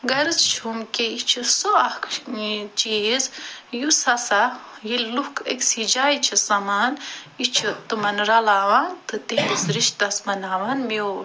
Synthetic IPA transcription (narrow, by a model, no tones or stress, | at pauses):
ɡɐɾɨt͡st͡ʃʰumkʲeit͡ʃʰisoɐkʰit͡ʃizjusɐsajillukʰḛkʲsid͡ʒaːit͡ʃʰisɐmaːnit͡ʃʰut̪ɨmɐnɾɐlaːwant̪ɨt̪elisɾiʃt̪ɐsmɐnaːʋɐnme